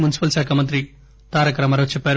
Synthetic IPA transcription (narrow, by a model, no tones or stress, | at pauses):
munisi̥pɐlʃaːkʰaːmɐnt̪ɾi | t̪aːɾɐkɾɐmɐɾɐt͡ʃɛpːaːɾ